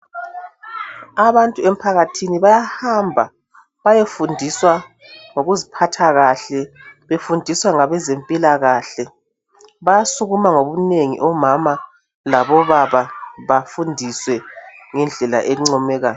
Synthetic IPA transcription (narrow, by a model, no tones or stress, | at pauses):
aβantʼuem̩pʰaɣatʰiniβajahambʱa | βajefundʱiswa | ŋoɣuzipʰatʰaɣaɬɛβefundʱiswaŋaβɛzempʼilaɣaɬɛ | βajasuɣumaŋoβuneŋḭʔɔmama | laβɔβaβaβafundʱiswɛŋɛnd͡ɮʱɛla̰ʔeɣuŋ͡ǀɔmɛɣaːjɔ